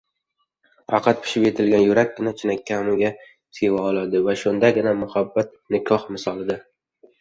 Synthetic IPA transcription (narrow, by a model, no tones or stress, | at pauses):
ɑ̰qʰɑt̪̚pʰɪ̥ʃɪpje̞t̪ʰɪlɡʲanjʊɾak̚ʲːɪnat͡ʃʰɪnakʲʰːamɪɡʲa | sʰewaɒlˠad̪ɪvaʃʊnd̪aɡʲɪnamʊhabːat̪̚nɪkʰɒhmɪsɒlˠɪd̪ɪ